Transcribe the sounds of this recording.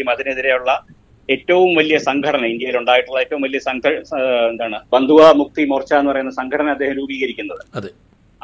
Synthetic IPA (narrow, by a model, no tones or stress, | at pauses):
jumɐðine̞ðiɾe̞juɭːɐ | e̞tːɐʋumʋɐlijɐsɐŋɡʱɐɽɐnɐind̪jɐjiluɳɖaːjiʈːuɭːɐetːɐʋumʋɐlijɐsɐŋɡɐend̪aːɳɨbɐnd̪ʱuʋɐmuk̚t̪imurt͡ɕːaːenːɨpɐrɐjunːɐsɐŋɡʱɐɽɐnɐmɐd̪ːeːhɐmɾuːbiːɣɐɾikʲːunːɐðɨɐðe